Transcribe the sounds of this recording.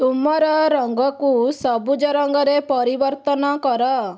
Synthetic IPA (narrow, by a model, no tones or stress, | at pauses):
t̪umaɾaɾɔŋɡɔkusɔbud͡ʒɔɾɔŋɡɔɾepɔɾibəɾt̪ɔnakɔɾa